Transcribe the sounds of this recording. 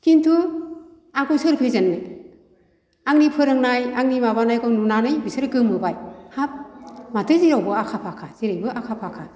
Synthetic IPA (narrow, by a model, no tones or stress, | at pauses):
kintʰu | akʰusɯɾpʰezɯnːɯj | aŋnipʰɯɾɯŋnajaŋnimaβanajkʰawnunanɯjbisɯɾkɯmɯbajhap̚matɯziɾawbɯakʰapʰakʰaz̥iɾajbɯʔakʰapʰakʰa